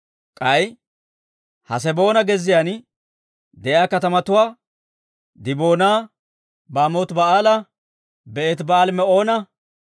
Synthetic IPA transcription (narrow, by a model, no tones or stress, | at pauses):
kʼɐj | hɐ̰s̬ɛbo̞ːnɐɡɛzːɪjaːn | d̪ɛʔjaːkɐt̪ɐmɐt̪ʊwaː | d̪ɪboːnaː | baːmoːt̪bɐaːlɐ | bɛʔɛt̪baːlmɛo̞ːnɐ